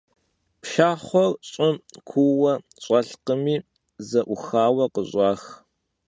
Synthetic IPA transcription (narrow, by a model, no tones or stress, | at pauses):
pʃaːχʷɔrɕʼɪmkʷʰuwɐ | ɕʼɐɬqəmiː | zɐʔʷʊxaːwɐqəɕʷʼɑːx